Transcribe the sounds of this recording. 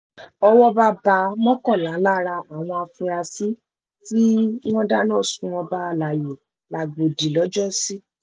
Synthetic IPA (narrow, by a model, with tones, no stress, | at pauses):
ɔ˧wɔ˦ba˦ba˧˦mɔ̃˦kɔ˦˨la˨˦la˦ɾa˧a˨w̃ɔ̃˧a˧fũ˧a˧si˦ | ti˦w̃ɔ̃˦da˦nɔ̃ː˦˨sũ˧ɔ̃˧ba˦˧˨la˨je˨ | la˨ɡ͡bo˨di˨lɔ˨˦d͡ʒɔ˦si˦